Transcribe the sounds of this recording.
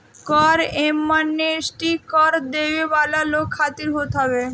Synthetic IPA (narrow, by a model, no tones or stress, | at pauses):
kɔɾemːanːeesʈikɔɾd̪ebebalalokʰːat̪iɾɦot̪ɦɔbe